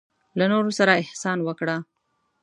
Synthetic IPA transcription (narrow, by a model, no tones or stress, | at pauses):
lanoɾosaɾaɪhsɑnwəkɽa